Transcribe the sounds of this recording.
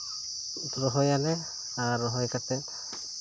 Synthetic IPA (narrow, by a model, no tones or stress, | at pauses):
ɹɔɦɔjalɛ | aɹɔɦɔjkat̪ɛ